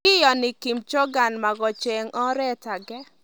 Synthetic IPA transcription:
ɪ˦jɔ˨nɪ˨ki˨mt͡ʃo˦ɡa˨nma˨ɡɔ˨t͡ʃe˨ŋɔ˦ɾɛ˦ta˨ɡɛ˦

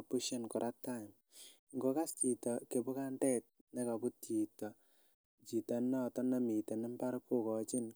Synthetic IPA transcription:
pu˦ʃɔ˦nkɔ˨ɾʔa˦ta˦ɪ˨m | ŋɡo˨˦ka˦st͡ʃi˨tɔ˨ke˨bu˦ka˦ndɛ˦t̚nɛ˦ka˨bu˦ti˨tɔ˨ | t͡ʃi˨ta˨nɔ˦tɔ˦na˦mi˨te˨na˦mpa˦ɾku˦kɔ˨t͡ʃi˦n

